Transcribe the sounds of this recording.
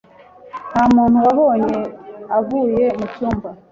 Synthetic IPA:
namuːnhuaβoːɲeavuːjemut͡ʃuːmba

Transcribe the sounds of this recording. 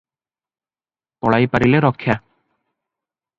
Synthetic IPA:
kɔɭajpaɾileɾɔkʰːja

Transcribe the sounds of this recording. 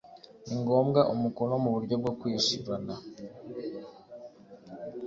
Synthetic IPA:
iŋɡo̞ːmɡaʔumuko̞no̞muβuɾɟo̞b̚ɡokwiːʃiɾanda

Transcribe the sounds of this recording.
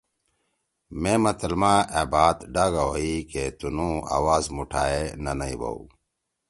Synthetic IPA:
mẽːmɐt̪əlmãʔebaːt̪ɖaːɡawoiket̪unũa̰ːwaːzmuʈʰaːenɐnɐibɐ̰ṵ

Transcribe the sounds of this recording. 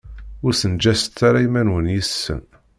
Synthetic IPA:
ʊɾsənd͡ʒæsə̥t̪ːaɾajmænwənjəsːə̰n

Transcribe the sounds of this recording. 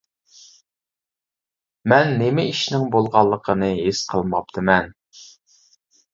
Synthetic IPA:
mɛnːemɪiʃnɪŋbolˠʁɑlˠːəqʰənɨɦesqʰəlˠmɑp̚t̪ʰɨmɛn

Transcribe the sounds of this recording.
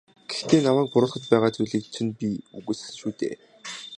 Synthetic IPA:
ɡ̥e̥xt̪eːnamæːk̚pʊɾʊːɮχə̆t̪̚pæːʁaːt͡sujɮiːk̚t͡ɕʰɘ̆npʲiṵɣɘːs̆ɮɘ̆nʃuːt̪ḛː

